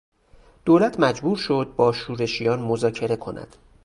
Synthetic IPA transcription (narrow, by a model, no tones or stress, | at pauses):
d̪̥oːlæt̪ʰmæd͡ʒbuːɾʃo̞d̪̚bɒːʃuːɾe̞ʃijɒːnmozɒːcʰe̞ɾe̞kʰo̞̰nʔæ̰d̪̥